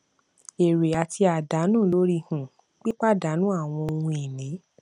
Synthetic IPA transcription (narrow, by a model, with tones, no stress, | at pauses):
e˨ɾe˨a˨tʰi˧a˨da˨˦nũː˦˨lo˦ɾi˧hũ˨ | k͡pi˦k͡pa˦da˨˦nũ˦a˦˨w̃ɔ̃˧o˧wũ˧e˨nĩ˨˦